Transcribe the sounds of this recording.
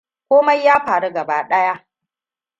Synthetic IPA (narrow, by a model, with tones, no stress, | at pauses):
kʷoː˦ma˦jːaː˦ɸaː˨ɽu˦ɡɐ˨baː˦ɗɐ˦ja˦ʔ